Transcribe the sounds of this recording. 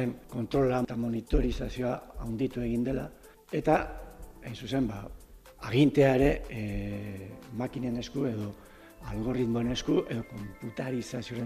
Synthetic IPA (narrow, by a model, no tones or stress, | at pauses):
eŋko̞nt̪ɾo̞lat̪amo̞nit̪o̞ɾisasio̞aːwnd̪it̪ue̞ɣind̪e̞la | e̞t̪aejnsuse̞mba | aɣ̞int̪e̞aeɾe̞ | makinene̞skue̞ðo̞ | alɣo̞rit̪mo̞ene̞skuʔe̞ðo̞ko̞mput̪aɾisasio̞ɾe